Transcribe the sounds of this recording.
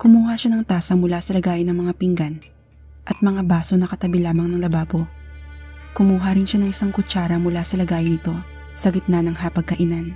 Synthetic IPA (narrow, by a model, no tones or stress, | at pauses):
kʊmuːhaʃanɐŋt̪aːsɐmʊlasɐlɐɡaːjɪnːɐŋmɐŋapiŋɡan | ʔɐt̪̚mɐŋabaːsonɐkɐt̪ɐbilaːmɐŋnɐŋlɐbaːpo | kʊmuːɦaɾɪnʃanɐŋʔɪsaŋkʊt͡ʃaːɾɐmʊlasɐlɐɡaːjɪnɪt̪o̞ | sɐɡɪt̪̚nɐnɐŋhapɐɡ̚kɐʔɪnan